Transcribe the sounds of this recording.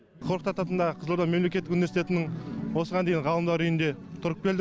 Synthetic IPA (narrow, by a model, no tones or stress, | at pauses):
qʰoɾəqt̪ɑt̪ɑt̪ənd̪ɑqʰəzlˠuɾd̪ɑnme̞mlekʲe̞t̪ːɪkunivʲesi̥t̪e̞t̪ɪnɪŋwo̞səʁɑnd̪ejɴʁɑlˠəmd̪ɑɾʏjɪnd̪e̞t̪ʰʊɾəq̚pʲelɪ